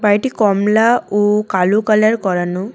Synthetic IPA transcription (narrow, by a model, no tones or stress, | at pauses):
bajʈikɔmlaukalukalaɹkɔɹanʊ